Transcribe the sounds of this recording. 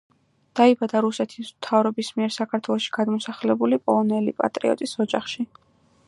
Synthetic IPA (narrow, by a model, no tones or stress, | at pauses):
d̪̥aibad̪aɾusɛt̪ʰismt̪ʰavɾɔbismiɛɾsakʰaɾt̪ʰwɛlˠɔʃi̥ɡ̥ad̪mɔsaχlɛbulipʼɔlˠɔnɛlḭpʼa̰t̪ʼɾḭɔ̰t̪ʼisɔd͡ʒaχʃi